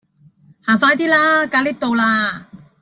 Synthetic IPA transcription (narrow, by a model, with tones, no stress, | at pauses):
haː˨˩faː˧jt̪iː˥laː˥kaː˨˥liː˦˥t̪o˨˧wlaː˧